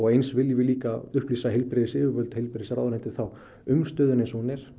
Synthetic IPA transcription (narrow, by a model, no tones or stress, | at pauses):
ɔɣejnsvɪljɪvɪliːkaʏhpliːsaɦejlpɾɪðɪsɪːvʏvœlt̪hejlpɾɪðɪsɾawðnɛjnt̪ɪ̥θaw | ʏmst̪œːðʏnɪsɔnɪɾ̥